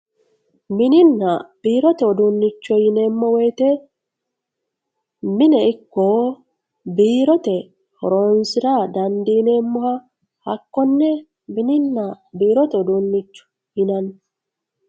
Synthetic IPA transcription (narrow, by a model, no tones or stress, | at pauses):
mɪnɪnːɐb̥iːɾɔt̪ɛɔd̪unːɪt͡ʃːɔjɪne̞ːmːɔwɔjt̪ɛ | mɪnɛɪkːoː | biːɾɔt̪ɛ | hɔ̰ɾoːnsɪɾɐd̪ɐnd̪iːneːmːɔhɐ | hɐ̰kːɔnːɛ | mɪnɪnːɐ | biːɾɔt̪ɛɔd̪unːɪt͡ʃːɔ̥ | jɪnɐn